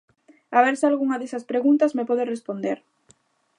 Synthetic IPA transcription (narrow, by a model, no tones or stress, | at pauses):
aβeɾsɪalɣuŋɐðesɐspɾeɣunt̪ɐzmepɔðerespond̪eɾ